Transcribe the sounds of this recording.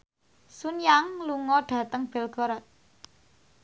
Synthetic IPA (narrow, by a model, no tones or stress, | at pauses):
sunjaŋluŋɔɖ̥ä̤t̪əŋb̥ɛ̤lɡ̥ɔ̤ɾɔt̪̚